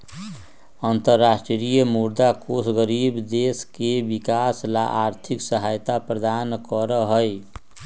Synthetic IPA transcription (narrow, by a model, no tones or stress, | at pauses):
ənt̪əɾːasʈɾijəmuɾd̪akosɡəɾibd̪eskebikaslaʔaɾt̪ʰiksəɦajt̪apɾəd̪ankəɾəɦəj